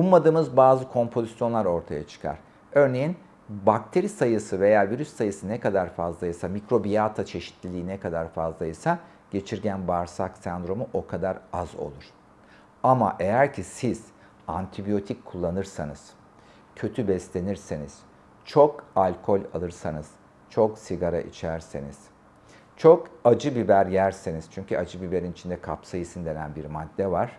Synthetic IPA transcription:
bulˠmad̪ɯːmɯzbaːzɯkʰo̞mpʰo̞zisjo̞nlˠaɾo̞ɾt̪ʰajat͡ʃʰɯ̥kʰa̰ɾ̥ | ø̞ɾne̞jin | bak̚t̪ʰe̞ɾisajɯsɯve̞jaːviɾysːajɯsɯnɛkad̪aɾfazlˠajɯsamikɾo̞bijat̪ʰat͡ʃʰe̞ʃi̥t̪ʰlʲilʲiːnɛkʰad̪aɾfazlˠajɯsa | ɟ̥e̞t͡ʃʰiɾɟænbaɾsaksɛnd̪ɾo̞muʔo̞kʰad̪aɾazo̰lˠuɾ̥ | ama̰ʔe̞jæɾcʰisiz̥ | ant̪ʰibijo̞t̪ʰickʰːulˠːanɯɾsanɯz̥ | cʰø̞t̪ʰybɛslʲe̞niɾse̞niz̥ | t͡ʃʰo̞kalʲkʰo̞lʲa̰lˠɯɾsanɯz̥ | t͡ʃʰo̞ksiɡaɾa̰ʔḭt͡ʃʰæɾseniz̥ | t͡ʃʰokad͡ʒɯbibæɾjæɾseniz̥t͡ʃʰyɲcʰyad͡ʒɯbibe̞ɾinit͡ʃʰind̪ɛkʰapsajisind̪e̞nænbiɾmad̪ːɛvaɾ̝̥

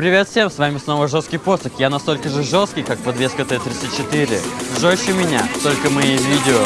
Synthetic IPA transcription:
pɾʲɪvʲe̞t̪fʲsʲe̞msvamʲɪsno̞vəʐost̪kʲijpo̞səxjanɐst̪o̞lʲkəʐɨʐost̪kʲijkak̚pɐd̪vʲeskət̪ɛjət̪ɾʲit̪sɨt̪̚ʲt͡ɕːɪt̪iɾʲɪʐoɕːɪmʲɪnʲa̰t̪o̞lʲkəmɐjivʲidʲɪo

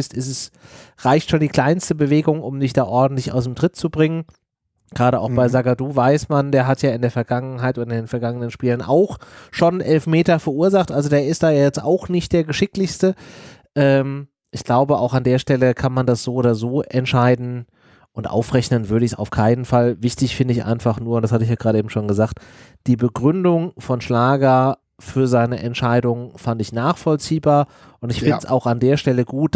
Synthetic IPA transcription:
ɪstɪstɛsʁaɪçtʃoːndiːkʰl̥aɪnstəbəveːɡʊŋʊmdɪçd̥aːʔɔɐdn̩tlɪça̰ʊs̬d̥emtʁ̥ɪt̚t͡subʁɪŋən | ɡ̥ʁaːɾəʔa̰ʊxb̥aɪzaɡaduːvaɪsmandeːɐɦatʰjaːɪndeːɐfɛɐɡaŋənɦaɪtʔoːdɐɪndeːnfɛɐɡaŋənənʃpiːlənʔa̰ʊxʃoːnʔɛlfmeːtɐfɛɐʔuːɐzaχtʔalzodeːɐɪstd̥aːjaːjɛt͡sta̰ʊxnɪçt̚d̥eːɐɡəʃɪklɪçstəʔɛːm | ʔɪçɡ̥laʊbəʔa̰ʊxandeːɐʃtɛləkʰanmandasz̥oːʔoːdɐzoːʔɛntʃaɪdn̩ | ʔʊntʔa̰ʊfʁɛçnənvʏɐɾəɪçsa̰ʊfkʰaɪnənfalvɪçtɪçfɪndəɪçʔa̰ɪnfaχnuːɐʊntd̥ashatəɪçjaːɡʁaːɾəʔeːbm̩ʃoːnɡəzaːktd̥iːbəɡʁʏndʊŋfɔnʃlaːɡɐ | fyːɐzaɪnəʔɛntʃaɪdʊŋfantɪçnaːχfɔlt͡siːbaːɐ | ʔʊntɪçfɪntəsa̰ʊxandeːɐʃtɛləɡuːt̚

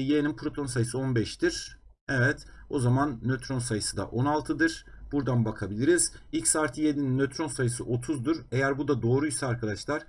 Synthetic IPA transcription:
jeninpʰɾo̞t̪ʰo̞nsajɯsɯo̞nbɛʃt̪iɾ̥ | evɛt̪ | o̞zamanːøt̪ɾo̞nsajɯsɯd̪a̰ʔo̞nalˠt̪ʰɯd̪ɯɾ̥b̥uɾd̪anbakʰabilʲiɾizilʲcsaːɾt̪ʰɯjed̪ininːøt̪ʰɾo̞nsajɯsɯʔo̞t̪ʰuzd̪uɾe̞jæɾbud̪ad̪o̞ːɾujisɛaɾkʰad̪aʃlˠaɾ̥

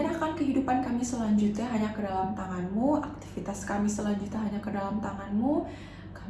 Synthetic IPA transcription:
anakankəɦidupankamisəlaɲd͡ʒut̪ɲaɦaɲakədalamt̪aŋanmuak̚t̪i̥fit̪askamisəlaɲd͡ʒut̪ɲaɦaɲakədalamt̪aŋanmu | ka

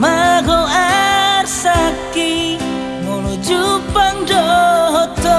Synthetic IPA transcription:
maɣɔarsaki | mɔlɔd͡ʒupandɔɦɔt̪ɔ

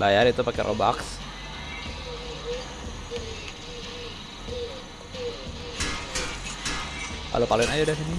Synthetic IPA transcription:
bajarit̪upakɛrʔo̰ba̰ks | pa̰lupaluɪnad͡ʒadasini

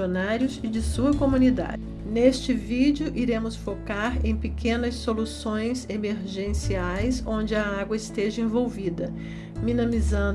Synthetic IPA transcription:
onaɾjʊzɪd͡ʒɪsuɐkomũnid̪a̰ | nest͡ʃɪvid͡ʒʊʔiɾẽmʊsfokaɾẽj̃pekʰẽnɐsːolusõj̃zemeɾʒẽsiajsõnd͡ʒɪɐaɡwɐɪst̪eʒɐẽvowvid̪ɐ | mĩnɐ̃mizɐ̃

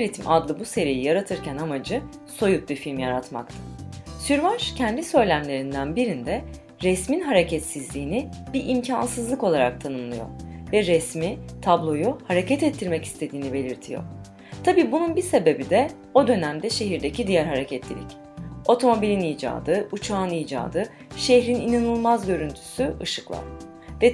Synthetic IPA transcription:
ɾʲit̪ʰimʔad̪lˠɯbuse̞ɾijijaɾat̪ʰɯɾcʰænamad͡ʒɯ | so̞jup̚bifilʲmjaɾat̪ma̰kt̪ʰɯ̥syɾmaʃcʰɛnd̪isø̞jlʲæmlʲe̞ɾind̪ænbiɾind̪ɛ | ɾɛsminɦaɾecʰɛt̪sizlʲiːni | biɾʔimcʰansɯzlˠɯko̞lˠaɾa̰k̚t̪ʰanɯnlˠɯjo̞̰ɾvɛɾɛsmit̪ʰablˠo̞juhaɾe̞cʰɛt̪ɛt̪ʰːiɾmɛci̥st̪ʰe̞d̪iːnibe̞lʲiɾt̪ʰijo̰ɾ | t̪ʰabiːbununbise̞be̞bid̪ɛ | o̞d̪ø̞næmd̪ɛʃe̞ɦiɾd̪ecʰid̪ijæɾɦaɾecʰɛt̪lʲḭlʲic | o̞t̪ʰo̞mo̞bilʲiniːd͡ʒa̰ːd̪ɯʔut͡ʃʰaːɯniːd͡ʒa̰ːd̪ɯ | ʃeçɾininanɯlˠmazɟø̞ɾynt̪ʰy̥syʔɯ̰ʃɯ̥klˠa̰ | vɛ

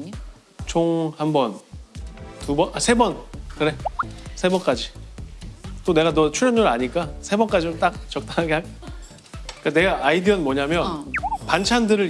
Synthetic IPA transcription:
t͡ɕʰoŋhambʌn | tubʌnasʰe̞bʌnkɯɾe̞sʰe̞bʌnk͈ad͡ʑi | t͈one̞ɡanʌt͡ɕʰuɭjʌnɲːoɾɯaɲik͈asʰe̞bʌnk͈ad͡ʑid͡ʑomt͈ak̚t͡ɕʌk̚t͈ʰaŋɦaɡeɦaɡ | k͈ane̞ɡaʔːidiʌnmwʌɲamjʌnpant͡ɕʰandɯɾɯ

